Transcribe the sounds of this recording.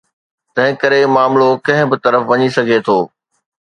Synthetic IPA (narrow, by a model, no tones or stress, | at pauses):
t̪ɐ̃ɦɪ̃kɐɾemaːmlokɐ̃ɦɪ̃bɪt̪ɐɾəfʋɐɲisɐɡʱet̪ʰoː